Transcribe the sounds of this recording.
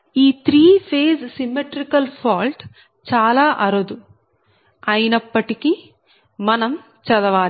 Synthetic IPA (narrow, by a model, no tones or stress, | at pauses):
iːt̪ɾiːpʰeːzsimːeʈɾikɐlpʰaːlʈ | t͡ʃaːlaːʔɐɾɐd̪u | ɐjinɐpːɐʈiki | mɐnɐm | t͡ʃɐd̪ɐʋaːli